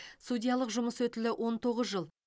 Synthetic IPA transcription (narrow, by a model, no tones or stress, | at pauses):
sud̪ʲijɑlˠəqʒʊməswɵt̪ɪlɪwʔo̞nt̪ʰo̞ʁəzʒəlˠ